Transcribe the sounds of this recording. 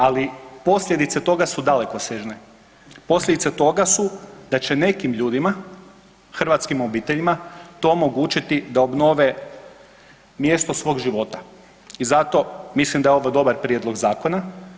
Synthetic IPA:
alipo̞sʎʲe̞d̪it̪set̪o̞ɡasud̪ale̞koseʒne | po̞slʎʲed̪it̪set̪o̞ɡasud̪̥at͡ʃe̞ne̞kimʎuːd̪ima | xr̩ʋat̪skimo̞biːt̪eʎimat̪o̞ːmo̞ɡuːt͡ʃit̪id̪aobno̞ʋe | mje̞st̪o̞sʋo̞ːɡʒiʋo̞ːt̪ḁ | izat̪o̞mislˠimd̪aeo̞ʋojd̪o̞baɾpɾjed̪lˠo̞ɡzaːko̞na

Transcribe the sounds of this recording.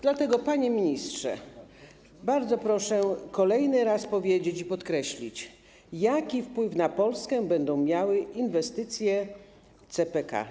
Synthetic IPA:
d̪lat̪ɛɡɔpaɲemʲiɲistʂɛ̰ | baɾd̪zɔpɾɔʂɛkɔlɛjnɘɾaspɔvʲjed͡ʑet͡ɕipɔt̪kɾɛɕlʲit͡ɕ | jakʲifpwɘfnapɔlskɛbɛnd̪ɔ̃w̃mʲjawɘinvɛst̪ɘt̪sʲjɛ | t̪sɛpɛka̰

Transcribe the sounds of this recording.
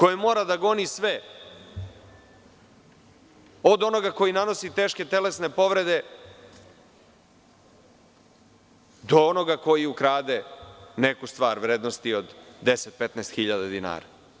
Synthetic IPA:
ko̞jemo̞ːɾad̪aɡo̞nisʋe | od̪o̞no̞ɡako̞jinano̞sit̪eːʃke̞t̪e̞le̞sne̞po̞ʋɾe̞d̪e̞ | d̪o̞ono̞ɡako̞jiukɾaːd̪e̞ne̞kust̪ʋaːɾʋɾeːd̪no̞st̪io̞d̪ːe̞set̪̚pet̪nɛːst̪xiʎad̪ad̪ina̰ːɾa̰

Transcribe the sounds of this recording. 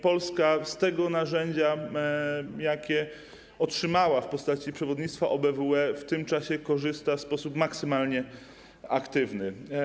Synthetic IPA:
pɔlskast̪ɛɡɔnaʐɛɲd͡ʑa | jakʲɛ | ɔtʂɘmawafpɔst̪at͡ɕipʂɛvɔd̪ɲit̪st̪faʔɔbɛvuɛft̪ɘmt͡ʂaɕɛkɔʐɘst̪afspɔsupmaksɘmalɲɛ | akt̪ɘvnɘ

